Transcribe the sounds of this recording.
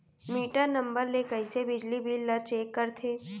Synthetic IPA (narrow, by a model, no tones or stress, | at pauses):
miːʈanɐ̃mbəɾlekəisebɪd͡ʒlibʱiːlːɐt͡ʃeːkːɐɾt̪ʰeː